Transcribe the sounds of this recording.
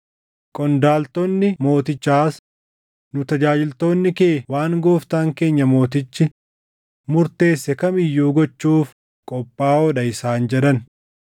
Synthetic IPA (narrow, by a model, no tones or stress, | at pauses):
kʼɔnd̪aːlt̪ɔnːɪmo̞ːt̪ɪt͡ʃːaːs | nʊt̪ɐd͡ʒaːd͡ʒɪlt̪o̞ːnːɪkeːwaːŋɡoːft̪aːŋke̞ːɲːɐmo̞ːt̪̬ɪt͡ʃːɪ | mʊɾt̪e̞ːsːɛkɐmɪjːuːɡɔt͡ʃːuːf | kʼɔpʼːaːɔɗɐɪsaːnd͡ʒɛᶑɐn